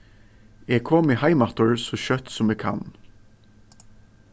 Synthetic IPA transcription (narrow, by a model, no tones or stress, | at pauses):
ɛɡkʰoːmɪhaɪmat̪ɔɹsɔɕœt̪sʊmɛːɡkʰa̰n